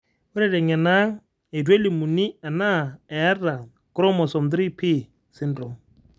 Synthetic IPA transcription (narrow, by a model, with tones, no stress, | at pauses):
wʊ˦ɾɛ˦˨ɾɛ˨ŋɛ˨na˦ŋ | e˨dwe˦li˨mu˨ni˦a˨na˦˨ɛ˨a˦ra˨ | kɾɔ˦mɔ˨sɔ˨md̪ɾi˦pʰi˦ | sɪ˦ndɾʊ˨m